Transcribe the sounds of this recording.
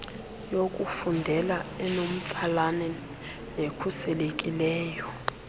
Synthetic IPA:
jokʼufundʱɛlaɛnom̩t͡sʰalanɛ | nekʰusɛlekʼilɛːjɔ

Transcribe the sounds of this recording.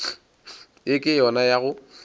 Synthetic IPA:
jɪkʼɪjɔnajaɣʊ

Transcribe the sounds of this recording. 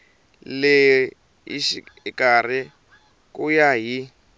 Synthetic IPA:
le | ḭʃikar̤i | kujaɦi

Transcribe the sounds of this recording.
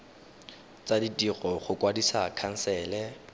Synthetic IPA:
t͡sʼaditʼiɣɔχʊkʼwadisakʰan̩sɛːlɛ

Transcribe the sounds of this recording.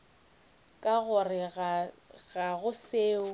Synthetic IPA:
kʼaɣʊrɪɣɣaɣʊseːʊ

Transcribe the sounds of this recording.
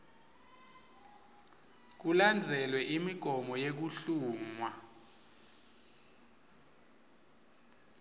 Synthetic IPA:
k̬uland͡zʱɛlwɛʔimiɡ̥ʱɔmɔjek̬uɬuːmwa

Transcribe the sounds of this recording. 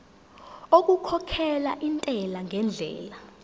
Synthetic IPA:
ok̬ʼukʰɔkʰɛlaʔintʼɛlaŋʱɛnd͡ɮʱɛ̰ːla

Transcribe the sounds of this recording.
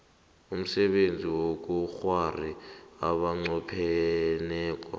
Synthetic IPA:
um̩sɛɓend͡zʱiwok̬ʼuxwariaɓaŋ͡ǀɔpʰɛnɛːk̬ʼa̰

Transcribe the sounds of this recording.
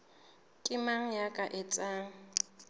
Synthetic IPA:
kʼɪmaŋ̩jakʼaʔɪt͡sʼaŋ̩

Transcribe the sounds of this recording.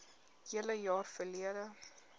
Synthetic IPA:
hiələjɑːrfəliədə

